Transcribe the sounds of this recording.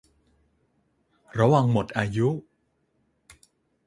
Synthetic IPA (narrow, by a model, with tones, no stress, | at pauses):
ɾa˧wa˧ŋmo˨˩t̪̚ʔaː˧ju˦˥